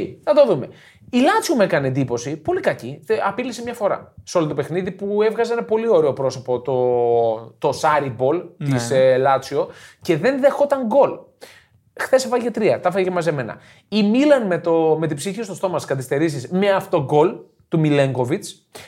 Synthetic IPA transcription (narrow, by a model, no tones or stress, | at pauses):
θɐt̪oðume̞ | ilɐt͡siome̞kɐniend̪ipo̞sipo̞likɐciɐpilisemɲɐfo̞ɾɐ̰seo̞lot̪ope̞xniðipue̞vɣɐzeenɐpo̞lio̞ɾeo̞pɾo̞so̞po̞t̪o | t̪o̞sɐɾibo̞lt̪islɐt͡sio̞ce̞ðe̞nðe̞xo̞t̪ɐŋɡo̞l | xθe̞sepɐcet̪ɾiɐt̪ɐfecɐmɐzeme̞nɐ̰ | imilɐnmet̪ome̞t̪̬ibsiçist̪ost̪o̞mɐskɐθist̪e̞ɾis̬izmeɐft̪o̞ɡo̞l | t̪umile̞ŋɡo̞vit͡s